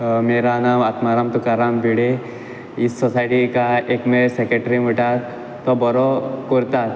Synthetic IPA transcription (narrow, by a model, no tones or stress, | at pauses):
meːɾanaːmat̪maɾaːmt̪ukaɾaːmbiɽe | ɪsːɔsaːjʈikaeːkmẽsekɾeʈɾimɪʈa | t̪ɔbɔɾokoɾt̪a